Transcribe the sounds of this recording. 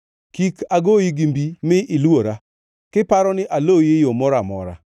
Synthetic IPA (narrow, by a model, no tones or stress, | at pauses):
kikaɡojiɡimbimɪʔɪloɾa | kɪpaɾɔnɪʔalojejomɔɾamɔ̰ɾa̰